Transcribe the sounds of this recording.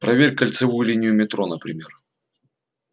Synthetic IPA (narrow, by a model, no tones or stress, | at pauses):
pɾɐvʲerʲkːəlʲt̪sɨvujʊlʲinʲɪjʊmʲɪt̪ɾonəpɾʲɪmʲe̞r